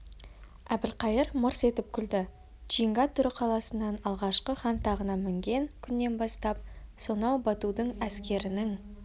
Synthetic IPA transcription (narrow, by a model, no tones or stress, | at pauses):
æbɪlqɑjəɾmʊɾse̞t̪ɪp̚kʲʰʏld̪ɪ | ʒ̥ijŋɡɑt̪ʰːʏɾɪqʰɑlˠɑsənːɑnɑlˠʁɑʃqəχɑnt̪ʰɑʁənɑmɪŋɡʲe̞ŋkʲʰʏnːe̞nbɑst̪ɑp̚so̞nɑwbɑt̪ud̪əɴæskʲe̞ɾɪnɪŋ